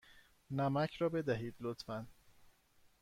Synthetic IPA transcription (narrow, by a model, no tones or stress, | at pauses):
næmæcʰɾɒːbe̞d̪æɦiːd̪lot̪fæn